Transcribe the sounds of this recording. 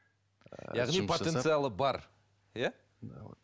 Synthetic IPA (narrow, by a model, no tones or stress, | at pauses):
jɑʁnipʰot̪e̞nsɨjalˠəbɑɾ | ja